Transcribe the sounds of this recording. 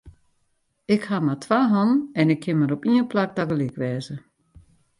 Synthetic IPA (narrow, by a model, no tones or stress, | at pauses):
ɪkhamatʰʋaːɦɔnɛnɪkʰːɪnməɾopiənplak̚daɡəlɪkʋɛːzə